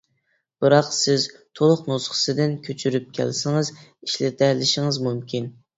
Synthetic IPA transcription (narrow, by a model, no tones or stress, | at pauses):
b̥ɨɾɑqsɪzt̪ʰolˠʊqnusχə̥sɨd̪ɪnkʲʰøt͡ʃʰyɾyp̚kʲʰæ̰lsɪŋɨziʃlɪt̪ʰɛlɪʃɪŋɨzmumkʲʰin